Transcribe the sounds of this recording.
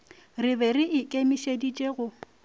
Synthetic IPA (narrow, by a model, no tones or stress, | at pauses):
rɪbɛrɪʔɪkʼemiʃedit͡ʃʼeɣʊ